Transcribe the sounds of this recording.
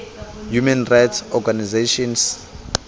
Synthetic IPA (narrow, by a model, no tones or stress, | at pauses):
jumɛnrajtsɔɡanizeʃɔns